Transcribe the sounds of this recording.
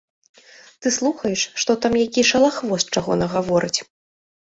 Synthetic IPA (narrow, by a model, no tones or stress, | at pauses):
t̪ɨslˠuxɐjɛʂːt̪ɔt̪amjakʲiʂɐlˠaxvɔst͡ʂaɣɔ̰nɐɣavɔɾɨt͡sʲ